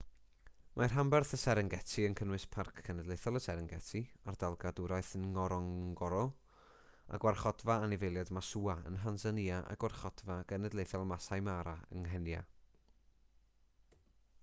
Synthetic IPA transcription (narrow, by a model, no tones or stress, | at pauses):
mʔajrɦambɛrθəsɛɾəŋɡɛtʰiənkʰənwɨspʰarkʰːɛnɛdlˠejθɔlˠəsɛɾɛŋɡɛtʰiardalˠɡadʊɾajθənŋɔɾɔŋɡɔɾɔlˠ | a̰ɡwarχɔdvaanɪvejlˠjadmasuaə̰nɦansəniaʔa̰ɡwarχɔd̥vaɡ̥ənɛdlejθɛlˠmasajmaɾaə̰ŋɦɛnja̰